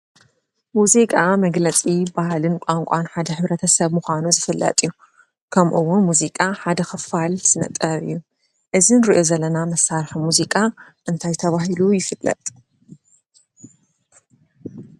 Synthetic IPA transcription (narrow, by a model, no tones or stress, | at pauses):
muzikʼamɐɡlɐt͡sʼibahlɨnkʷʼaŋkʷʼanħad̪ɐħɨβɾɐt̪ʰɐsɐβmuxʷanuzɨfɨlːɐ̰t̪ʼɨjːu | kʰɐmʔuwːunmuzikʼaħad̪ɐxɨfalz̥ɨnɐ̰t̪ʼːɐβɨ̰jːu | ʔɨzinɾiʔo̞zɐlːɐnamɐsːaɾħimuzikʼa | ʔɨnt̪ʰajt̪ʰɐβaɦilujɪfɨlːɐ̰t̪ʼ